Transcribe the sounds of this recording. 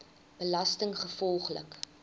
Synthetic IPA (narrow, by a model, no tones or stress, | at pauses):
b̥əlɐstəŋχəfɔlˠχlə̰k